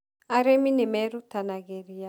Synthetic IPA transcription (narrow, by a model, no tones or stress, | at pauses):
aɾeminemɛɾutanaɡeɾija